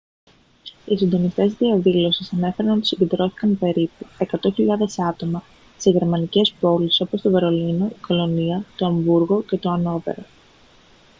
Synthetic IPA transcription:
isind̪o̞nist̪e̞zðiɐðilo̞sisɐne̞fe̞ɾɐnot̪usiɟed̪ɾo̞θi̥kɐnpe̞ɾipue̞kɐt̪o̞çiʎɐðe̞sɐt̪o̞mɐ | se̞ʝe̞ɾmɐnice̞spo̞liso̞po̞st̪o̞ve̞ɾo̞lino̞iko̞lo̞niɐt̪oɐmbuɾɣo̞ce̞t̪o̞ɐno̞pe̞̰ɾo̞

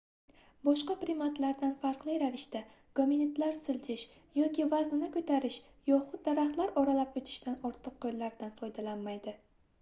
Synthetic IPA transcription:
bɒʃqɑpɾɪmat̪laɾd̪anfaɾqlˠɪjɾavɪʃt̪a | ɡ̥ominet̪laɾsɪld͡ʒʰɪʃ | jɒkʲɪvaznɪnɪkʰɵt̪ʰaɾɪʃ | jɒχʊt̪̚d̪aɾaχt̪laɾɒɾalapot͡ʃ̪ʰɪ̥ʃt̪anɒɾt̪ʰɨqʰːojlːaɾd̪anfɒjd̪alanmajd̪ɪ

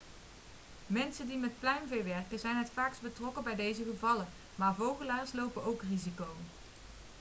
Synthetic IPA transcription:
mɛnsəndimɛt̚plɛjmvɪːʋɛrkəzɛjnɦətfaːksbətrɔkəbɛjdejzəχəvɑlən | maːɹvowχəlaːɹslowpənowkrizikow

